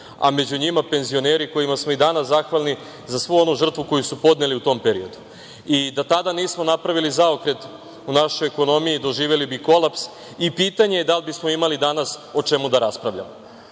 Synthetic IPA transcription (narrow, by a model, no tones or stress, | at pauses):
a̰me̞d͡ʑuɲimape̞nzio̞ne̞ːɾiko̞jimasmo̞id̪anaszaxʋalˠni | zasʋuo̞nuʒr̩t̪ʋuko̞jusupo̞d̪neliut̪o̞mpeɾio̞d̪u | id̪at̪ad̪aniːsmo̞napɾaʋilizao̞kɾe̞t̪ | unaʃo̞jeko̞no̞mijid̪o̞ʒiːʋjelibiko̞lˠaps | ipiːt̪aɲejed̪albismo̞imalid̪anaso̞t͡ʃe̞mud̪aɾaspɾaʋʎa̰mo